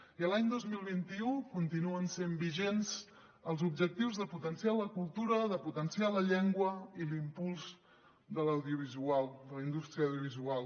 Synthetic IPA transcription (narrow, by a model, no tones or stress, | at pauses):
iəlaɲd̪ozmilˠβint̪iukunt̪inuənsembiʒenz̥ | əlˠzubʒək̚t̪iwzðəput̪ənsialəkulˠt̪uɾəðəput̪ənsialəʎeŋɡwəilimpulˠz | d̪ələwðiuβ̞izualˠd̪ələind̪ust̪ɾiəwðjuβizualˠ